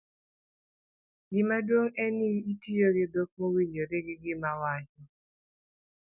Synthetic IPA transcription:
ɡɪmadwoŋɛniitijoɡɪd̪ok̚mowiɲd͡ʒoɾɪɡɪɡɪmawat͡ʃɔ

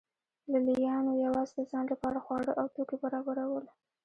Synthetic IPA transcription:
lalijɑnojawɑzed̪əzɑnlapəaɽaxwɑɽəʔawt̪okebaɾɑbaɾawəl

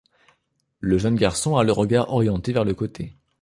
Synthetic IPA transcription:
ləʒənɡʲaʁsɔ̃aləʁəɡaʁɔʁjɑ̃t̪evɛʁləkot̪ʰe

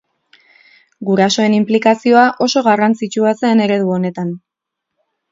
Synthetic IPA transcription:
ɡuɾaso̞e̞nimplikasio̞aʔo̞so̞ɣarant͡sit͡ʃuase̞ːne̞ɾe̞ðuo̞ne̞t̪an

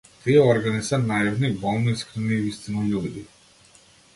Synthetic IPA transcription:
t̪iɔɾɡanisanaɛvnibɔlˠniskʰɾinivist̪inɔjuld̪i

